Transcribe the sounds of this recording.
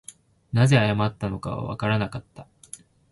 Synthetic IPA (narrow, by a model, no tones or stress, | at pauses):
naze̞ajamat̪ːano̞ka̰βa̰βa̰kaɾanakat̪ːḁ